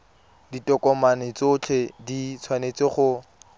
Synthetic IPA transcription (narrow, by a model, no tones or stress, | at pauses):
ditɔkʼɔmanɪt͡sot͡ɬʰedit͡sʰwanet͡sɪχʊ